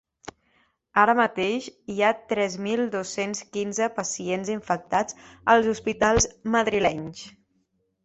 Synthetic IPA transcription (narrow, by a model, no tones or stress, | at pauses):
aɾəmət̪eʃiat̪ɾɛzmilˠd̪osenskinzəpəsienziɱfək̚t̪ad͡zəlˠzuspit̪alˠzməðɾilɛɲs